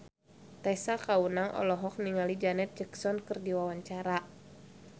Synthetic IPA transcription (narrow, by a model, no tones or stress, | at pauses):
t̪ɛsakaunaŋʔɔ̰lɔɦɔk̚niŋalid͡ʒanɛt̪̚d͡ʒɛksɔnkɨrdiwawaɲt͡ʃaɾa